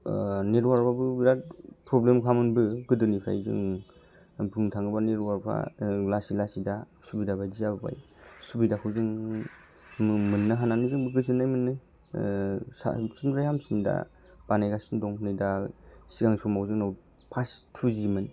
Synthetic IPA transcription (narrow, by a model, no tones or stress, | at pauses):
neɾwaɾpʰabɯbiɾapɾoblemkʰamɯnbɯɡɯdɯnipʰɾa̰jzɯ̰ŋ | bɯntʰaŋɯbaneɾwaɾpʰa̰lasilasida | subidabajdizababa̰j | subidakʰɯwzɯŋ | mɯnːaɦananizɯŋbɯɡɯzɯnːajmɯnːɯ | sa̰sinʰɾajɦamsinda̰ | b̥anajɡasindɔŋnɯjdasiɡaŋsɔmawzɯŋnaw | pʰastʰuzimɯn